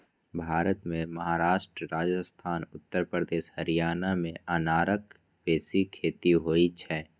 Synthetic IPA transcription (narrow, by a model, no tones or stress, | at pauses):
bʱaːɾət̪mẽmɐɦaːɾaːʃʈɾəɾaːd͡ʒəst̪ʰaːnʊt̪ːəɾpɾəd̪eːʃhɐɾijaːnamẽʔanaːɾək | peːsikʰːeːt̪iɦoːit͡ʃʰɛː